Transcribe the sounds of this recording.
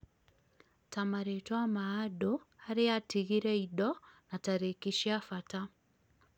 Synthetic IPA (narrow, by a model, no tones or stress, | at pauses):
tamaɾetwamaadoaɾeatiɣiɾeidɔnataɾekiʃjafata